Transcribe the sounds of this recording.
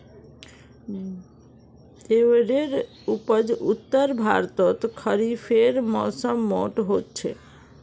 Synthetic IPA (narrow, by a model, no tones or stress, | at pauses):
ewɾeɾ | upəd͡ʑut̪ːəɾbʱaɾt̪ot̪kʰəɾifʰeɾmɔsɔmːɔ̰ʈɦotːt͡ɕʰḛ